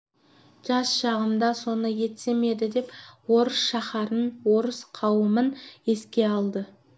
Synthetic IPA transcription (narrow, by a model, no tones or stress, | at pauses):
ʒ̥ɑsʃɑʁənd̪ɑso̞nəje̞t̪se̞me̞d̪ɪd̪e̞pwo̞ɾəsʃɑχɑɾənwo̞ɾəsqʰɑwəməne̞skʲe̞ɑlˠd̪ə